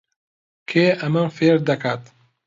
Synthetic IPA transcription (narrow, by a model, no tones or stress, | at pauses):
kʰeːʔɐmɐmfeːɾd̪ɐkʰaːt̪